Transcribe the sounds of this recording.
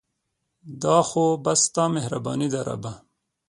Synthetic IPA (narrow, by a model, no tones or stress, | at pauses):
d̪ɑːxobɐst̪ɑːmehɾabɑ̰ːnid̪ɐɾa̰ba